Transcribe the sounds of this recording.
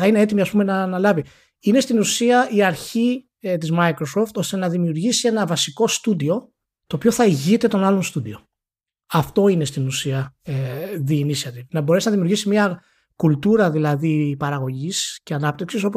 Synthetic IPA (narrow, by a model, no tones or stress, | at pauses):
θɐine̞e̞t̪̬imiɐspume̞nɐnɐlɐvi | ine̞st̪inusiɐiɐɾçi | t̪izmɐjkɾo̞so̞ft̪o̞st̪e̞nɐðimiuɾʝisie̞nɐvɐsiko̞st̪ud̪io̞ | t̪o̞ːpio̞θɐiʝit̪e̞t̪o̞nɐlonst̪ud̪io̞ | ɐft̪o̞ine̞st̪inusiɐ | ðiːnisɐt̪inɐbo̞ɾe̞sinɐðimiuɾʝisimɲɐ | kult̪uɾɐðilɐðipɐɾɐɣo̞ʝisce̞ɐnɐp̚t̪iksiso̞po